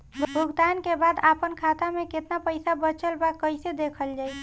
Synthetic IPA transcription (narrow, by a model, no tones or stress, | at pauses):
bʱbʱuɡd̪ankebad̪apənkʰat̪ameket̪napəjsabət͡ʃəlbakəjsed̪ekʰəld͡ʒaj